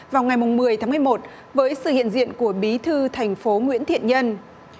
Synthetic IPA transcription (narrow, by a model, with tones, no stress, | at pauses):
vaː˨˩wŋa˨˩jmʊ˨˩ŋ͡mmɨ˨˩əjt̪aː˨˦mɨ˧˩ə˩jmo˨˩t̚ | vəː˨˦jsɨ̰˧˨hḭ˧˨ənzḭ˧˨ənku˧˩əɓi˨˦t̪ʰɨ˧t̪ʰa˨˩jŋ̟fo˨˦ŋwḭ˧˥ənt̪ʰḭ˧˨ənɲə˧n